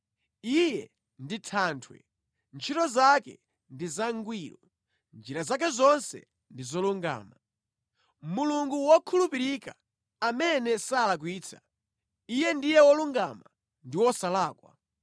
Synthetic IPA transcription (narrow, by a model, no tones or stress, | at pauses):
ijɛ | nditʰaːntʰwɛ̰ | nt͡ʃʰitɔzakɛ̰ | ndizaŋɡwiːɾɔ | nd͡ʒiɾazak̬ɛzɔnsɛ̰ | ndizɔluŋɡa̰ːma | muluŋɡuwɔkʰulupiɾika | amɛnɛsalak̬wiːt͡sʰḁ | ijɛndijɛwɔluŋɡa̰ma | ndiwɔsalaːkwa̰